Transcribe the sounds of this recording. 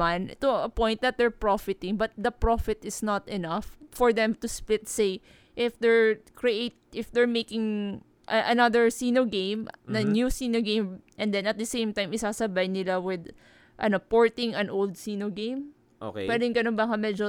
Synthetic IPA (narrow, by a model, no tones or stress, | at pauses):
ant̪ʊɐpɔ̃jnt̪̚d̪ɐt̪̚d̪ɛɹpɹofɪt̪ɪŋbɐt̪̚d̪ɐpɹofɪt̪ɪsnat̪ɛnɐfːɔɹd̪ɛmt̪ʊsplɪt̪̚sej | ʔɪfd̪ɛɹkɹiʔejt̪̚ʔɪfd̪ɛɹmejkɪŋ | ʔɐʔɐnaðəɹsinoɡẽmnɐnjusiːnoɡẽjmʔɛnd̪ɛ̃nɐt̪̚d̪ɐsẽjmt̪ajmɪsaːsɐbajnɪlawɪd̪ | ʔɐnopoɹt̪ɪ̃ŋɐ̃nʔowld̪̚sinoɡẽjm | ʔo̰kpɛdŋɡɐnonbɐkɐmɛd͡ʒo